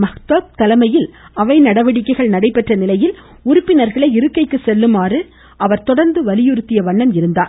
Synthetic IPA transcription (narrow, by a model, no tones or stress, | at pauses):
mɐxt̪ɐp̚t̪ɐlɐmɐjɪlɐʋɐɪnɐɽɐʋɐɽɪkːɐɪɣɐɭnɐɽɐɪpːɛʈrɐnɪlɐjɪl | ʊɾʊpːɪnɐɾɣɐɭɐɪɪɾɯkːɐɪkːɯsɛlːɯmaːrɯ | ʔɐʋɐɾt̪ɔɽɐɾnd̪ɯʋɐlɪjɯɾɯt̪ːɪjɐʋɐɳːɐmɪɾɯnd̪aːɾ